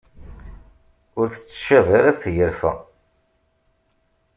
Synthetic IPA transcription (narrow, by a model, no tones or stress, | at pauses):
ʊɾθə̥t͡sːʃæðaɾæɾθjəɾfæ̰